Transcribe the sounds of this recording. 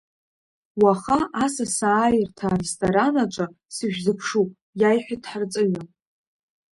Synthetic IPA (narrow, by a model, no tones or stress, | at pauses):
waχaʔasasaːjɪrtʰaːrestʰʼoɾanat͡ʃʷʼa | sɨʒᶣzɨpʰʂu | jajħʷᶣadʰħart͡sʼɨɥa